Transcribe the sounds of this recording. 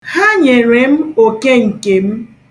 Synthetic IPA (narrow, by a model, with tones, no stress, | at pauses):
ha˦ɲe˨ɾe˨m̩˦o˨ke˦ŋ̩˨ke˨m̩˦